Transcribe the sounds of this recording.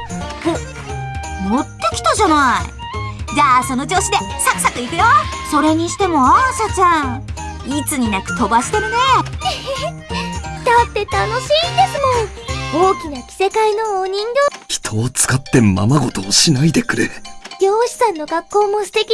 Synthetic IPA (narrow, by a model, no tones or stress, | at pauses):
kɯ | mo̞t̪ːokʲi̥t̪aʑanaḭ | d͡ʑaːsono̞d͡ʑo̞ːɕid̪e̞sakɯ̟sakɯikɯjoso̞ɾe̞ɲ̟iɕi̥t̪e̞mo̞aɕat͡ɕã | it͡sɨɲ̟inakɯ̟̥t̪o̞baɕi̥t̪e̞ɾɯ̟ne | d̪̥at̪ːe̞t̪ano̞ɕiːnd̪e̞sɨmõ̞ | o̞ːkʲinakʲi̥se̞kaino̞oːɲ̟ĩnd̪oçi̥t̪ʰo̞ːt͡sɨ̥kat̪ːe̞ma̰maɡo̞t̪oːɕinaid̪e̞kɯ̟ɾḛɡ̥ʲo̞ːɕi̥sãnːo̞ɡakːo̞ːmo̞sɨ̥t̪e̞kʲi